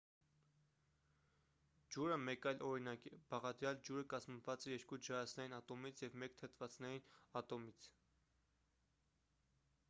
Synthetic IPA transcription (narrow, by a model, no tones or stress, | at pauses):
d͡ʒuɾəmɛkɑjlʔɔɾinɑkibɑʁɑd̪ɾjɑld͡ʒuɾəkɑzməvɑt͡sɛjɛɾkud͡ʒɑɾɑsʰnɛjinɑt̪ɔmit͡sʰjɛvmɛkt̪ʰət̪ʰvɑt͡snɛɾinɑt̪ɔmit͡sʰ